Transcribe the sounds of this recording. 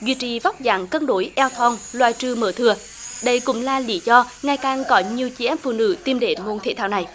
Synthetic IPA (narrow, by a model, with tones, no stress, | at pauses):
zwḭ˧t͡ɕi˧˨va˦˥wk͡p̚za̰ː˨˩ŋkə˧nɗo˨˦jʔɛ˧wt̪ʰɔ˧nlwaː˧˨jt͡ɕɨ˧məː˧˩t̪ʰɨ˨˩ə | ɗə˧jkʊ̰˧˥ŋ͡mlaː˨˩li˧˦zɔ˧ŋa˨˩jkaː˨˩ŋkɔ˨˦ɲi˨˩əwt͡ɕi˧ʔɛ˦˥m̚fṵ˧˨nɨ̰˧˥t̪i˧mɗe˨˦mo˧˩nt̪ʰḛ˧˩t̪ʰaː˧˩wna˨˩j